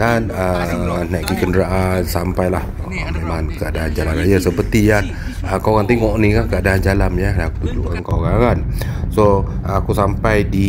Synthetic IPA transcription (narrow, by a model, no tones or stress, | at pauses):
danənaʔkikəndəɾaʔansampajlah | əmemãŋkəadaand͡ʒalanrajasəpərt̪ijan | əkawɣaŋt̪eŋɔʔnĩkakəadaand͡ʒalamjədakut̪ud͡ʒṵankawɣaɣan | so | akusampajdi